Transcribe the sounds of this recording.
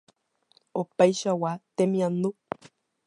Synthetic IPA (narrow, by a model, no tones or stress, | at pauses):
opajʃawat̪emĩanu